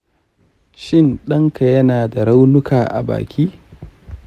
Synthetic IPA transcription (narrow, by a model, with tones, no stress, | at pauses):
ʃɪ˦˨nɗɐ˦ŋka˨jɐ˦naː˨da˨ɾa˦wnʊ˦kʰaː˨ʔa̰˨ba̰ː˨kʲiː˦